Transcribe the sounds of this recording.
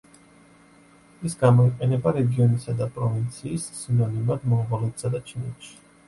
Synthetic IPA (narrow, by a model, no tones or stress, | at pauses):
ɛsɡamɔiqʼɛnɛbaɾɛɡiɔnisad̪apʼɾɔvint̪sʰiːsːinɔnimad̪mɔmʁɔlɛt̪sad̪at͡ʃʰinɛt̪ʃi̥